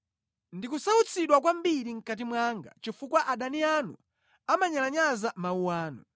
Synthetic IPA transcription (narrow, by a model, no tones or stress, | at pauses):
ndikusaut͡sʰiɗwak̬wambiɾiŋ̩kat̬imwaŋɡa̰t͡ʃifukwaʔaɗanianu | amaɲalaɲazamauwaːnṵ